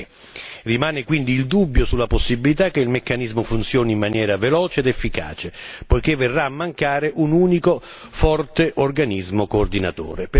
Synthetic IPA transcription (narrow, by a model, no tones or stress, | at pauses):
rimaːnɪkwind̪iːld̪ubːjosulːaposːibilit̪akːeilmekːanizmʊfunt̪sjɔːnimːanjɛːɾavelɔːt͡ʃeːd̪efːika̰ːt͡ʃepojkevːerːaːmːaŋkaːɾeʔunuːniko | fɔrt̪eʔorɡanizmokoːrd̪ina̰t̪o̰ːɾep